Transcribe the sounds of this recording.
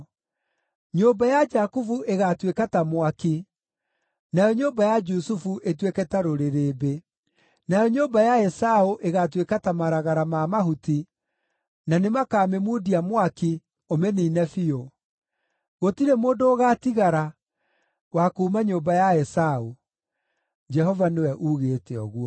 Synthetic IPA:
ɲombajad͡ʒakufuʔeɣatwekatamwaki | najɔɲoːmbajad͡ʒusufuʔetwekɛtaɾoɾeɾeːbe | najɔɲoːmbajaɛsaoʔeɣatwekatamaɾaɣaɾamamaɦuti | nanemakaːmemudiamwaki | omɛninɛfio | ɣotiɾɛmoːndoːɣatiɣaɾa | wakumaɲoːmbajaɛsao | d͡ʒɛɦɔvanewɛʔuɣetɛɔ̰ɣwɔ

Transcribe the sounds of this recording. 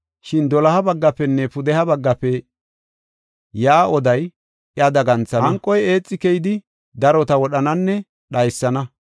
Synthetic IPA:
ʃɪnd̪ɔlɐhɐbɐɡːɐpɛnːɛpʊd̪ɛhɐbɐɡːɐpɛ | jaːʔɔd̪ɐj | ʔjɐd̪ɐɡɐnt͡sɐɐŋkʼːɔje̞ːt͡sʼːɪkɛjɪd̪ɪ | d̪ɐɾɔt̪ɐwɔɗɐnɐnːɛ | ɗɐjsːɐnɐ

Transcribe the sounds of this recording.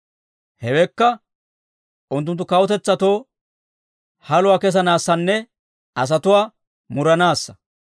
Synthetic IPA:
hɛwɛkːɐ | ʔʊnt̪̬ːʊnt̪ːʊkɐwɔt̪ɛt͡sːɐt̪o̞ː | hɐlʊwaːkɛs̬ɐnaːsːɐnːɛ | ʔɐs̬ɐt̪ʊwaː | mʊɾɐnaːsːɐ̥

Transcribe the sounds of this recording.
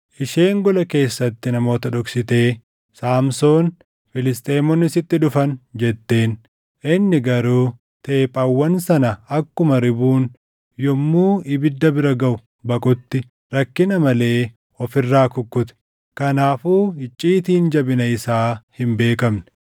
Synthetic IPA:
ʔɪʃe̞ːŋɡɔlɐke̞ːsːɐt̪ːɪnɐmo̞ːt̪ɐᶑɔksɪt̪e̞ː | saːmso̞ːn | fɪlɪst̪ʼeːmɔnːɪsɪt̪ːɪᶑʊfɐnd͡ʒɛt̪ːe̞ːn | ɪnːɪɡɐɾuː | t̪e̞ːpʼɐwːɐnsɐnɐɐkːʊmɐɾɪbuːn | jɔmːuːɪbɪd̪ːɐbɪɾɐɡɐʔʊ | bɐkʼʊt̪ːɪ | ɾɐkːɪnɐmɐle̞ː | ɔfɪrːaːkʊkːʊt̪ɛ̥ | kɐnaːfuːɪt͡ʃʼːiːt̪iːnd͡ʒɐbɪnɐɪsaːhɪmbe̞ːkɐmnɛ̥

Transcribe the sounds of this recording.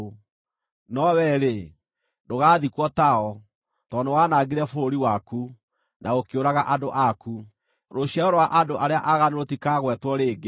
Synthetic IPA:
nɔwɛɾe | doɣaːðikwɔtaɔ | tɔnowanaɡeɾɛfoɾoɾiwaku | nʔaokeoɾaɣaʔadoʔaku | ɾoɕjɛɔɾowaʔadoʔaɾeaʔaɣaneɾotikaɣwɛtwɔɾeːɡe

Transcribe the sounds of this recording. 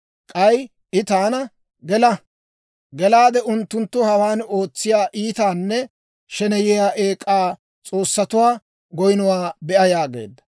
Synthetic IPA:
kʼɐj | ʔɪt̪aːnɐ | ɡɛlɐ | ɡɛlaːd̪ɛʔʊnt̪ːʊnt̪ːʊhɐwaːno̞ːt͡sːɪjaːʔiːt̪aːnːɛ | ʃɛnɛjɛjaːʔeːkʼːaː | t͡sʼo̞ːsːɐt̪ʊwaː | ɡɔjnʊwaːbɛʔɐjaːɡḛːd̪ːɐ̥

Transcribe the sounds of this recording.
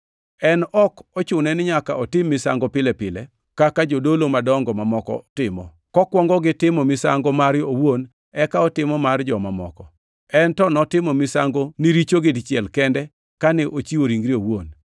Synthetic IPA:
ɛnɔkɔt͡ʃʊnɛnɪɲakaɔtɪmːɪsa̰ŋɡɔpɪlɛpɪlɛ | kakad͡ʒodolomadɔŋɡɔmamɔkɔ̰tɪmɔ̰ | kɔkwɔŋɡɔɡɪtɪmɔmɪsa̰ŋɡɔmaɾjowon | ɛkaɔtɪmɔmard͡ʒɔmamɔ̰kɔ | ɛntɔnɔtɪmɔmɪsaŋɡoniɾit͡ʃoɡɪdt͡ʃɪɛlkɛndɛ | kanɛʔot͡ʃiwoɾiŋɡɾiowon

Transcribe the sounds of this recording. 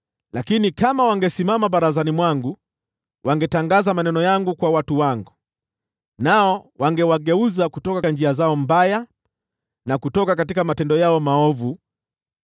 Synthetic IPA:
lakinikamawaŋɡɛsimamaɓaɾazanimwaŋɡu | wʔaŋɡɛtaŋɡazamanɛnɔjaŋɡukwawatuwaŋɡu | naɔwaŋɡɛwaɠɛuzakutɔkaand͡ʒiazaɔm̩baja | nakutɔkakatikamatɛndɔjaɔmaɔvu

